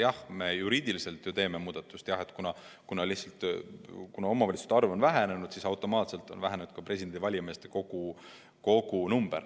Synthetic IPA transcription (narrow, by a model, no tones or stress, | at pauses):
jɑhme̞juɾiːd̪̥ilise̞lt̪jut̪e̞ːme̞muːd̪̥ɑt̪ːˑust̪jɑhe̞t̪ːˑkunɑ | kunɑlihsɑlt̪ˑkunɑo̞mɑvɑlʲit̪su̥t̪ɑrvo̞nvæɦene̞nud̪̥sisɑwt̪ːˑo̞mɑːt̪se̞lt̪ːˑo̞nvæɦenenud̪̥kɑpre̞s̬ʲid̪end̪ivɑlʲjɑme̞ːst̪e̥ko̞ɡ̥u | ko̞ɡunumb̥e̞̰r